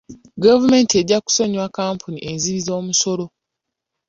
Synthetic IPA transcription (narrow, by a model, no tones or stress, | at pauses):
ɡavume̞ːntie̞ɟːaku̥so̞ɲwakaːmpʰuniʔe̞nziβizo̞ːmuso̞lo̞